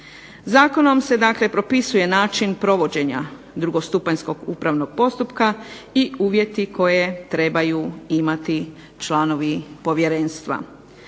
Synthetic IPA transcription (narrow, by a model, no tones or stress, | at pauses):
zaːko̞no̞mse̞d̪akle̞pɾo̞pisuje̞naːt͡ʃinpɾo̞ʋo̞d͡ʑe̞ɲa̰ | d̪ɾuɡo̞st̪upaɲsko̞ɡuːpɾaʋno̞ɡ̥̚po̞st̪upkaiuːʋje̞t̪ikʰo̞je̞t̪ɾe̞bajuimat̪i | t͡ʃlano̞ʋipo̞ʋje̞ɾe̞ːnst̪ʋa̰